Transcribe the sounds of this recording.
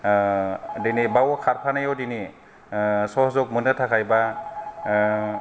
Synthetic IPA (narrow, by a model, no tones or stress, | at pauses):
dinibawɔkʰaɾpʰanajɔdini | sɔhzɔk̚munɯtʰakʰajba